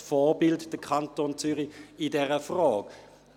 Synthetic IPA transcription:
fɔːbɪltd̥əkʰɑntoːnt͡syʁiɪdɛʁəfʁɔːk

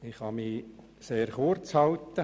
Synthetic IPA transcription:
ɪχhɑmi | seːɾχʊrt͡shɑwt̪ːə

